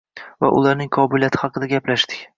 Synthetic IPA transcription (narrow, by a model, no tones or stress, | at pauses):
va̰ʔʊ̰lˠaɾnɪŋqʰɒbɪlijat̪ʰɪ̥hɑqɨd̪aɡʲaplaʃt̪ɪ̥kʲ